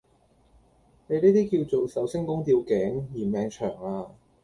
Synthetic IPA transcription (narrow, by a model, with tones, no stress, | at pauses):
ne˨˧niː˥t̪iː˥kiː˧wt͡so˨wsɐ˨˥wsɪ˥ŋkʊ˥ŋt̪iː˧wkɛː˨˥ŋjiː˨˩mɛː˨˧ŋt͡ʃʰœː˨˩ŋaː˧